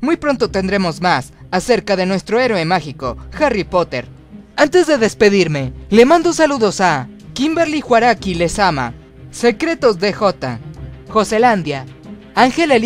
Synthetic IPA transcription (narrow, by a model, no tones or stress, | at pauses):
mujpɾo̞nt̪o̞t̪e̞nd̪ɾe̞mo̞zmasase̞ɾkaðe̞nwe̞st̪ɾo̞e̞ɾwemaxiko̞xaripo̞t̪e̞̰ɾ | ant̪e̞zðe̞ðe̞spe̞ðiɾme̞le̞mãnd̪o̞saluðo̞sa | kimbeɾlixwaɾakile̞sama̰ | se̞kɾe̞t̪o̞zðe̞xo̞t̪a̰xo̞se̞land̪ja | aŋxe̞lel